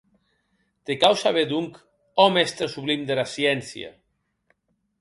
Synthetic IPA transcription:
t̪ekawsaβed̪uŋk | ɔmɛst̪ɾesuβlimd̪elasjɛnsja̰

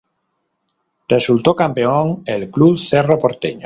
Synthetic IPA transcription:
result̪okampeoŋelkluβθeropoɾt̪eɲo

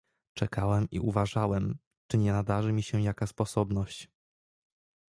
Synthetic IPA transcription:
t͡ʂɛkawɛmḭuvaʐawɛm | t͡ʂɘɲɛnad̪aʐɘmʲiɕɛ̃jakaspɔsɔbnɔɕt͡ɕ

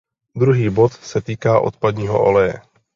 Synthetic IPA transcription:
d̪ɾuɦiːbot̪sɛt̪iːkaːʔo̰t̪pad̪ɲiːɦo̰ʔo̰lɛjɛ

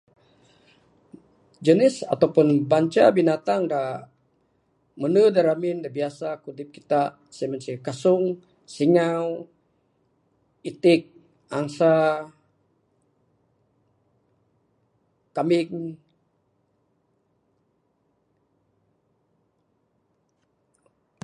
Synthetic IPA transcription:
d͡ʒənɪsa̰t̪awpʊnbaɲt͡ʃa̰binat̪aŋda | mənədaɾamɪndabiasakudɪp̚ki̥t̪a | semənsikasʊŋ | siŋaw | it̪ɪk̚ | aŋsa | kamɪŋ

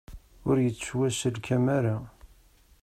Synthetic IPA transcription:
ʊɾjət͡sːswæsəlkʰæmæɾa

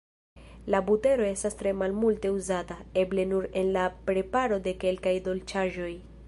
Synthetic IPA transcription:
labute̞ɾo̞e̞stastɾe̞malmulte̞uzatae̞ble̞nuɾe̞nlapɾe̞paɾo̞de̞ke̞lkajdo̞lt͡ʃaʒo̞j

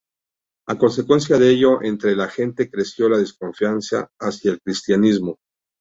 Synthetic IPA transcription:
ako̞nse̞kwe̞ns̬jaðeeʝo̞ʔent̪ɾe̞laxe̞nt̪e̞kɾe̞sjo̞laðe̞sko̞ɱfjansa̰ːsjaelkɾist̪janizmo

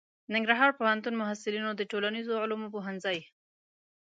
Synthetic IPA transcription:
nɪŋɡɾaɦɑɾpohant̪unmʊɦasɪlinod̪əʈolanizoʕʊlmopoɦanzɑj

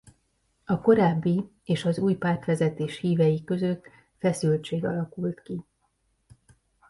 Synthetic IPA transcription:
ɒko̞ɾaːbːi | eːʃɒzuːjpaːrt̪fɛzɛt̪eːʃhiːvɛjikø̞zø̞t̪ | fɛsylt͡ʃeːɡɒlɒkult̪ki

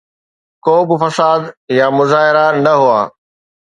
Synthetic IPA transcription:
koːbɪ̆fɐsaːd̪jamʊzaːɦɪɾanɐɦʊa̰ː

